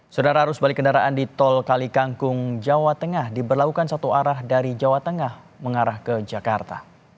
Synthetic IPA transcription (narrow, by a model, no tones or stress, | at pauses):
sodaɾaɦaɾʊsbalɪkəndaɾaʔandit̪ɔlkalikaŋkʊŋd͡ʒawat̪əŋahdibərlakukansat̪uaɾahdaɾid͡ʒawat̪əŋah | məŋaɾahkəd͡ʒakart̪a̰